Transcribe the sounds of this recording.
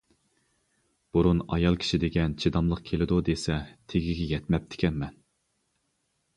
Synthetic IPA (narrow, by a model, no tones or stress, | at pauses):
b̥uɾunɑ̰jɑlˠkʲʰi̥ʃid̪eɡʲɛnt͡ʃʰid̪ɑmlˠəq̚kʲʰelɪd̪ud̪esɛt̪ʰeɡʲiɡʲɛjɛt̪mɛp̚t̪ʰɪ̥kʲɛnmɛn